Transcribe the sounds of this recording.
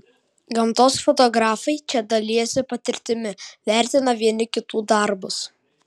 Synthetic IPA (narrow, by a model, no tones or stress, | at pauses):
ɡɐmˑt̪oːsfɔt̪ɔɡɾɑːfɐɪt͡ʃʲɛd̪ɐlʲɪjɛsʲɪpɐt̪ʲɪɾʲt̪ʲɪmʲɪʋʲæˑɾʲt̪ʲɪnɐʋʲiɛnʲɪkʲɪt̪uːd̪ɐɾbʊs